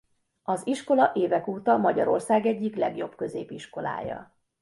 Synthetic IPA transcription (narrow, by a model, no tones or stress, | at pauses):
ɒziʃko̞lɒʔeːvɛkuːt̪ɒmɒɟɒɾo̞̰rsaːɡɛɟːiklɛɡjo̞bkø̞zeːpiʃko̞la̰ːjɒ̰